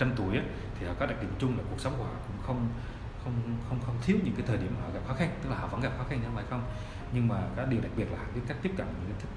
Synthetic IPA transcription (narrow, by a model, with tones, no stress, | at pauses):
t͡ɕa˧mt̪u˧˩əjʔaː˨˦ | t̪ʰi˨˩hɔ̰˧˨˩kɔ˨˦ɗa˨˩k̚ɗḭ˨˧˩əŋt͡ɕʊ˧ŋ͡mlaː˨˩ku˨˩əksə˨˦wŋ͡mku˧˩hɔ̰˧˨˩kʊ̰˧˥ŋ͡mxə˧wŋ͡m | xə˧wŋ͡mxə˧wŋ͡mxə˧wŋ͡mt̪ʰi˨˦˥əwɲɨ̰˧˥ŋkaː˨˦jt̪ʰəː˨˩ɗi˧˩əmaː˨˩˨ɔ̰˧˩ɣa˨p̚xɔ˨˦xa˧ŋt̪ɨ˦˥k̚la˨hɔ̰˧˨və̰˧˥nɣa˨˩p̚xɔ˨˦xa˧ŋɲ˧˦vaː˧˩xə˧wŋ͡m | ɲɨ˧ŋmaː˨˩kaː˨˦˥ɗi˨˩əɗa˨˩k̚ɓi˨˩ət̚laː˨hɔ̰˨˩˦ka˦˥jk̚t̪i˦˥p̚kə̰˧˩˨nɲɨ̰˧˥ŋkaː˨˦jt̪̚ʰ